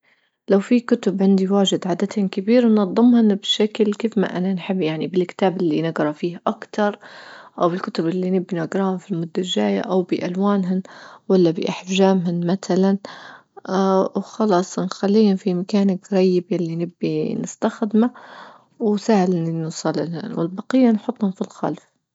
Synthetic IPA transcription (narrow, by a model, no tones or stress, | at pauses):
lawfikʊt̪ʊbʕɪnd̪iwaːʒɪd̪ʕaːd̪at̪hɪnkabiːɾnɑðˤːɨmhʊnbʃaklkiːfma̰ʔananħɪbːjaʕnibɪlkt̪aːbʔɪlːinɪɡɾˤɑfiːhaʔakt̪ɑɾˤʔawbɪlkʊt̪ʊbʔɪlːinɪbːinaɡɾˤɑhʊnfilmʊd̪ːaʒaːja̰ʔawbɪʔalwaːnɦʊnwalːabɪ̰ʔaħfʒaːmɦʊnmat̪alan | wxɑlɑːsˤnxalːiːhʊnfimakaːnakɾˤɑjːɪbjalːinɪbːinɪst̪axd̪ma | wsaːhalɪnnɪsˤɑlːɪlhɪ̰nwɪlbɑqɪjːanħʊt̪ˤːhʊmfilxa̰lf